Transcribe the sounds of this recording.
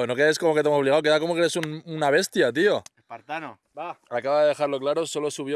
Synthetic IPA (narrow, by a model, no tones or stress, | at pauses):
no̞ke̞ðeskomo̞ket̪eemsoβliɣawk̬eako̞mokeɾesununaβ̞e̞st̪jat̪̬io̞epaɾt̪an | aakaβaðeðe̞xaɾlo̞klaɾo̞so̞lo̞suβ̞jo